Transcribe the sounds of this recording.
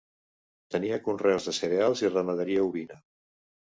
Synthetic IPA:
t̪əniəkunrɛwzðəsəɾealˠzirəməðəɾiəuβinə

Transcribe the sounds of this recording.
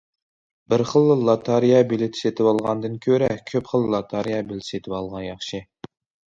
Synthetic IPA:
bɪɾχəlˠlˠɑt̪ʰɑɾijɑbilɪt̪ʰɪ̥set̪ʰɪwɑlˠʁɑnd̪ɨnkʲʰøɾɛkʲʰøpχəlˠlˠɑt̪ʰɑɾijɑbelt̪ʰset̪ʰɪwɑlˠʁɑnjɑχʃi

